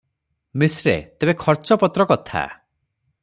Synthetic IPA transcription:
misɾḛt̪ebekʰɔɾt͡ʃɔpɔt̪ɾɔkɔt̪ʰa̰

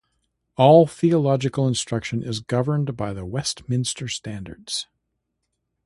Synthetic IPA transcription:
ɔlˠθiəlɑd͡ʒɨkl̩ˠə̃nstɹ̥ʌkʃɨ̃nʔɪzɡʌvə̃˞nbaɪðəwɛstmɪ̃nstə˞stæ̃ndə̰˞dz̥

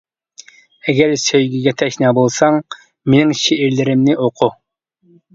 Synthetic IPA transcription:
ɛɡʲɛɾsøjɡʲiɡʲɛt̪ʰɛʃnɑːbolˠsɑŋ | menɪŋʃeiɾlɪɾɪmnɪoqʰʊ

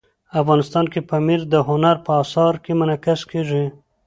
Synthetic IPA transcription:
afɣɑnɪst̪ɑnkepamiɾd̪əɦʊnaɾpəɑsɑɾkemʊnakaskeʐi

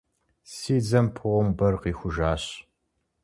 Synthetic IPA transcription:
siːd͡zɐmpʰʊʁʷɔmbɐrqiːxʷʊʒaːɕ

